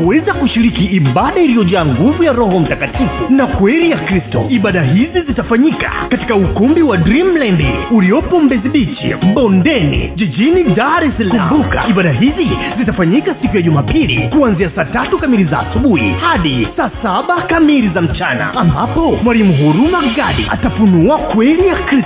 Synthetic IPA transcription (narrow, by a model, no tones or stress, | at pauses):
uwɛzakuʃiɾikiːɓaɗailijɔʄaːŋɡuvujaɾɔhɔm̩takatʰifunakwɛɾijakɾistɔ̰iɓaɗaɦizizitafaɲika̰kati̥kaukumbiwadɾimlandiuliɔpɔm̩bɛziɓit͡ʃḭɓɔndɛnḭʄiʄinidaɾɛsalkuambuka̰iɓaɗaɦizizitafaɲikasikujaʄumaːpilḭkuanziasaːtatukamilizaːsuɓuhḭhaɗisaːsaɓakamiɾizam̩t͡ʃana̰ambapɔmwalimuɦuɾumaɡaɗia̰tapunuakwɛlijakɾis